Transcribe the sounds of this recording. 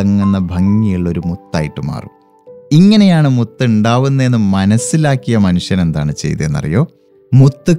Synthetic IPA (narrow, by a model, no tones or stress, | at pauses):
ɐŋːunːɐbʱɐŋːijiɭːo̞ɾumut̪ːa̰ːjiʈːɨma̰ːrṵm | iŋːɐne̞jaːɳɨmut̪ːɨuɳɖaːʋunːɐe̞nːɨmɐnɐsilaːkːijɐmɐnuʂjɐne̞nd̪a̰ːɳɨt͡ɕe̞̰jt̪ue̞nːɐ̰rḭjo̞ː | mut̪ːɨ